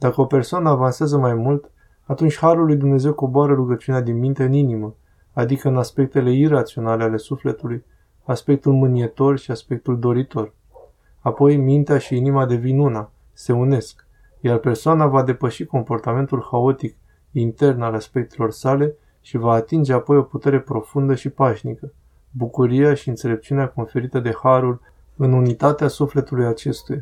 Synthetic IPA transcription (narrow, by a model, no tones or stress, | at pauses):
d̪akəo̞pe̞rsoanəavanseazəmajmult̪ | at̪unt͡ʃʲhaɾulːujd̪umne̞ze̞wko̞boaɾəɾuɡət͡ʃiunead̪inmint̪eɨninimə | ad̪ikəɨnaspe̞k̚t̪e̞le̞irat̪sio̞nale̞ale̞sufle̞t̪uluj | aspe̞k̚t̪ulmɨnije̞t̪o̞rʃiaspe̞k̚t̪uld̪o̞ɾit̪o̞r | apo̞jmint̪eaʃiinimad̪e̞vinuna | se̞une̞sk | jarpe̞rsoanavad̪e̞pəʃiko̞mpo̞rt̪ame̞nt̪ulxao̞t̪ik | int̪e̞rnalaspe̞k̚t̪e̞lo̞rsale̞ | ʃivaːt̪ind͡ʒe̞apo̞jo̞put̪e̞ɾe̞pɾo̞fund̪əʃipaʃnikə | bukuɾijaʃiɨnt̪se̞le̞p̚t͡ʃiuneako̞nfe̞ɾit̪əd̪e̞haɾul | ɨnunit̪at̪easufle̞t̪ulujat͡ʃe̞st̪uja